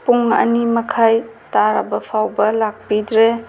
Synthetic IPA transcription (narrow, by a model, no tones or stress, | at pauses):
puŋɐ̰nimɐkʰajtaɾɐbɐpʰawbɐlak̚pidɾe